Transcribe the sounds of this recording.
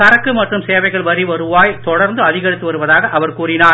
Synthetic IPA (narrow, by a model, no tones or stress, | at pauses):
ɐɾɐkːɯmɐʈrɯmseːʋɐɪɣɐɭʋɐɾiʋɐɾɯʋaːjt̪ɔɽɐɾnd̪ɯɐðɪɣɐɾɪt̪ːɯʋɐɾɯʋɐðaːɣɐʔɐʋɐɾkuːrɪnaː